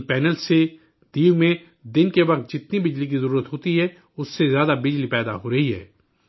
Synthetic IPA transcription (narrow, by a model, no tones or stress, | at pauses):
pɛːnəlse | d̪iːmẽ | d̪ɪnkeʋɐq̚t̪̚d͡ʒɪt̪nibɪd͡ʒlik̬izəɾuːɾət̪ɦoːt̪iɦɛ | ʊsːezjaːd̪abɪd͡ʒlipɛːd̪a̰ɦoɾɐɦiɦɛ̰ː